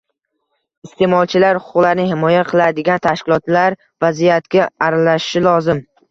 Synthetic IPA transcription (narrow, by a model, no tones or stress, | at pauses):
ɪst̪ʰe̞mɒlˠt͡ʃʰɪlaɾhʊ̥qʰʊqlaɾnɪhɪmɒjaqʰɨlˠad̪ɪɡʲant̪ʰaʃkʲɪlˠɒt̪laɾ | vazijat̪kʲaaɾalaʃɪ̥ʃɪlɒzɪm